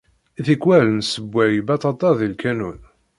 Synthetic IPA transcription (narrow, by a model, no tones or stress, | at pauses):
iθikwælənsəbʷːæjbɑt̪ˤɑt̪ˤɑðilkænun